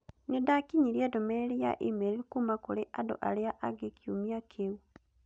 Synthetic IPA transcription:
ɲodakiɲiɾiedomeɾeɾija̰ʔimeɾeikumakoɾeʔado̰ʔa̰leaʔaɡekʰiumiakʰeu

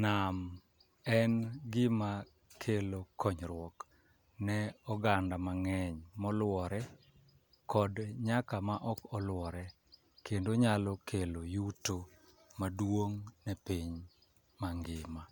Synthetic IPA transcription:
nam | ɛnɡɪma | kʰelokʰɔɲɾwɔk | nɛɔɡandamaŋɛɲmɔlwɔɾɛ | kɔdɲakamaʔɔkɔlwɔɾɛ | kendoɲalɔkʰelojuto | madwoŋnɛpiɲ | maŋɡɪma

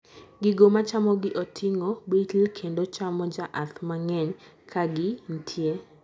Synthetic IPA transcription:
ɡɪɡomat͡ʃamɔɡɪʔɔtʰɪŋobitlkʰendot͡ʃamɔd͡ʒaʔat̪maŋɛɲ | kʰaɡɪn̩tʰje

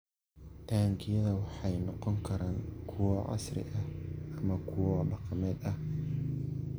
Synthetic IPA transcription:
t̪ʰaːŋkʰɪjɐðɐwɑħɑjnɔqɔŋkʰɐɾaːŋkʰʊwɔʕɑ̰srɪ̰ʔɐhʔɐmɐkʰʊwɔɖɑqɑmɛːd̪ɐh

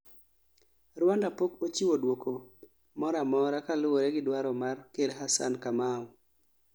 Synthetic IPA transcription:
ɾwandapokot͡ʃiwodwokʰo | mɔɾamɔɾakalʊwoɾɛɡɪdwaɾɔmarkedɦasa̰nkamaɔ

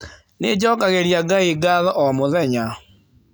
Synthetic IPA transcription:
ned͡ʒɔkaɣeɾjaɡaiɡaðɔʔɔmoðɛɲa

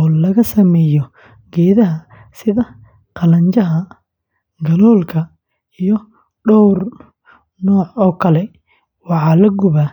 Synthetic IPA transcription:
ɔːlɐɣɐsɐmɛːjɔ | ɡ̥ɛːðɐɦɐ | sɪðɐ | qɑlɐɲt͡ʃɐɦɐ | ɡɐlɔːlkʰɐ | ijɔ | ɖɔwr | nɔːʕɔːkʰɐlɛ | wɑħɑːlɐɡʊβaː

